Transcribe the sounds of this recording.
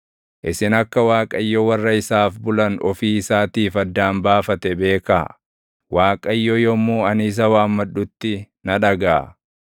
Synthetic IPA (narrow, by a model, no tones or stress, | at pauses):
ʔɪsɪnɐkːɐwaːkʼɐjːɔwɐrːɐɪsaːfbʊlɐnɔfiːɪsaːt̪iːfɐd̪ːaːmbaːfɐt̪ɛbe̞ːka | waːkʼɐjːɔjɔmːuːɐnɪːs̬ɐwaːmːɐɗːʊt̪ːɪ | nɐᶑɐɡaː